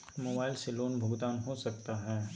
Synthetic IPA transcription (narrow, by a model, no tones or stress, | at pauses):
moːbaːɪlseloːnbʱʊːɡd̪aːnɦosɐk̚t̪aɦɛː